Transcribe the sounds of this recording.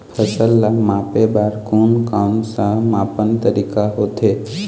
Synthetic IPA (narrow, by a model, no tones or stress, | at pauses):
pʰəsəlːamãpebaɾkunkamsãmapənt̪əɾikaɦot̪ʰe